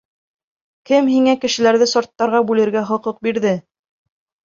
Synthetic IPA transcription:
kɘmɦiŋækɘ̆ʃɘ̆læɾðɘsoɾt̪ːɑɾʁɑbʉlɘ̆ɾɡæχŏqɤq̚biɾðɘ

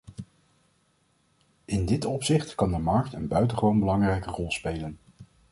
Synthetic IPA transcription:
ɪndɪtɔpsɪχtkɑndəmɑɹk̚tənbœɥtəχəʋownbəlɑŋrɛjkərɔlˠspejlən

